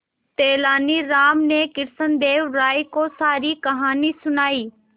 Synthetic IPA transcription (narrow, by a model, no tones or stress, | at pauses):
t̪eːlaːniɾaːmnekɪɾsənd̪eːʋɾaːikosaːɾikɐɦaːnisʊnaːiː